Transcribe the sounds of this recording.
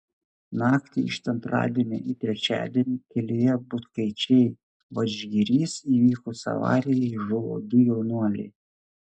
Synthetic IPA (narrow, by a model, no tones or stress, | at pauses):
nɑːkt̪ʲɪɪ̰ʃt̪ʲɛnt̪ɾɑ̰ːd̪ʲiɛnʲɛ̰ʔit̪ʲɾʲɛt͡ʃʲæ̰ːd̪ʲiɛnʲɪkʲɛlʲejɛbʊt̪kɐɪt͡ʃʲɛɪ | ʋɐd͡ʒʲɡʲiɾʲiːsiːʋʲiːkoːsɐ̰ʋɑ̰ːɾʲɪjɛɪʒʊʋo̰ːd̪ʊjɛʊnuɔlʲḛɪ